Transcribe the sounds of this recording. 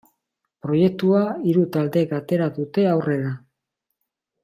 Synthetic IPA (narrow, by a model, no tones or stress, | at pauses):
pɾo̞je̞k̚t̪uaiɾut̪ald̪e̞kat̪e̞ɾaðut̪e̞awre̞ða